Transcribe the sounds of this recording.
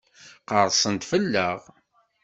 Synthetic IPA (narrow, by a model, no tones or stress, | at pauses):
qəɾˤsˤənt̪fəlːəʁ